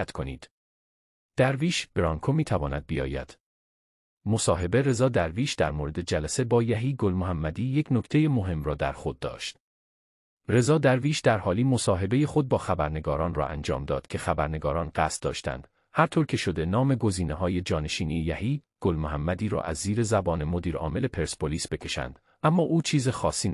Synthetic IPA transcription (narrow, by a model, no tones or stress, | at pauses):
t̪kʰo̞nḭːd̪̥ | d̪̥æɾviːʃb̥eɾɒːŋkʰomiːt̪ʰævɒːnæd̪̚bijɒ̰ːjæ̰d̪̥ | mo̞sɒːɦe̞be̞ɾe̞zɒːd̪æɾviːʃd̪æɾmoɾe̞d̪e̞d͡ʒælæse̞bɒːjæɦiːɡolmoɦæmːæd̪iːje̞cʰno̞ct̪ʰe̞je̞mo̞ɦe̞mrɒːd̪æ̰ɾxo̞d̪̚ːɒ̰ːʃt̪ | rezɒːd̪æɾviːʃd̪æɾhɒːliːmo̞sɒːɦe̞be̞je̞xo̞d̪̚bɒːxæbæɾne̞ɡɒːɾɒːnrɒ̰ːʔæ̰nd͡ʒɒ̰ːmd̪ɒːd̪̥cʰe̞xæbæɾne̞ɡɒːɾɒːnɢæst̪̚d̪ɒ̰ːʃt̪æ̰nd̪̥ | hæɾt̪ʰoɾcʰe̞ʃo̞d̪e̞nɒːme̞ɡo̞ziːneɦɒːje̞d͡ʒɒːne̞ʃiːniejæhiːɡ̥olmohæmːæd̪iːɾɒ̰ːʔæ̰zːiːɾe̞zæbɒːne̞mo̞d̪iːɾɒ̰ːme̞le̞pʰe̞ɾspʰoliːsb̥e̞cʰe̞ʃæ̰nd̪̥ | ʔæmːɒːʔuːt͡ʃʰiːzexɒːsiː